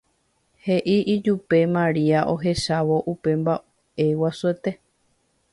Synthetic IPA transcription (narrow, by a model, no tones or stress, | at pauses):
he̞ʔiʔid͡ʒupe̞mãɾiaʔo̞ɦe̞ʃaʋo̞ʔupe̞mba | ʔe̞wasuet̪e̞